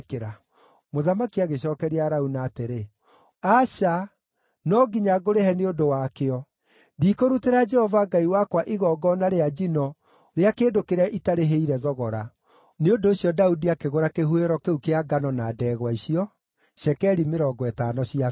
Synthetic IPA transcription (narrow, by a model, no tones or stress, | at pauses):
keɾa | moðamakiaɣeɕɔːkɛɾeaɾaunaːteɾe | aʃa | nɔɡiɲaɡoɾeɦɛneondowakeɔ | dikoɾuteɾad͡ʒɛhɔvaɡaiwakwaʔiɣɔːɡɔnaɾead͡ʒinɔ | ɾeakeːndokeɾɛʔitaɾeɦeiɾɛðɔɣɔɾa | neondoːɕiɔdaudiakeɣoɾakeɦueɾɔkeukeaɡanɔnadɛːɣwaisiɔ | ʃɛkɛɾimeɾɔːɡɔɛtaːnɔɕia